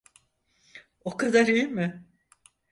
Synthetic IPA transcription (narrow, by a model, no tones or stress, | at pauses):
okʰad̪aɾijmɪ